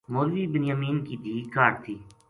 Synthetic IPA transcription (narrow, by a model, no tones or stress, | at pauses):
moːɾʋiːbɪnjaːmiːnkid̪ʱiːkaːʈt̪ʰiː